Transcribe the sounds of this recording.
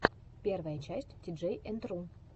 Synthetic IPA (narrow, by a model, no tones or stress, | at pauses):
pʲervəjət͡ɕæsʲtʲd̪̥ʲiʐejʔent̪run